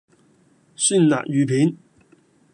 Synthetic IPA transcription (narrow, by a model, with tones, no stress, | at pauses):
sy˥˨nla̰ː˨k̚jyː˨pʰiː˨˥n